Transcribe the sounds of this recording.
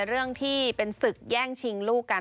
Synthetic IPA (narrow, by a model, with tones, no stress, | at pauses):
ɾɯ˥˩əŋt̪ʰiː˥˩pe˧nsɯ˨˩kk̚jɛː˥˩ŋt͡ɕʰi˧ŋluː˥˩ka˧